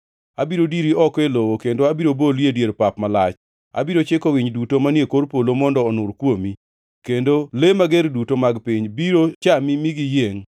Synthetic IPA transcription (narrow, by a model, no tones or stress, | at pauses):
abiɾodiɾiɔkelowokendoabiɾoboljedjeɾpapmalat͡ʃ | a̰biɾot͡ʃekowiɲdutomanjekoɾpolomɔndɔːnʊɾkwomi | kendolemaɡeɾdutomaɡpiɲbiɾot͡ʃamimiɡijeŋ